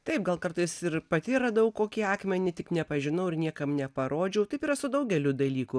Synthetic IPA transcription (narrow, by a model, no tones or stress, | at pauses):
t̪ɐɪp̚ɡɐlˠkɐɾt̪ɐɪsɪɾpɐt̪ʲiːɾɐd̪ɐɐʊkoːkʲiːɑːkmʲɛnʲɪt̪ʲɪknʲɛpɐʒʲɪnɐʊɪɾnʲiɛkɐmnʲɛpɐɾoːd͡ʒʲɛʊt̪ɐɪpiːɾɐsʊd̪ɐʊɡʲɛlʲʊd̪ɐlʲiːkʊ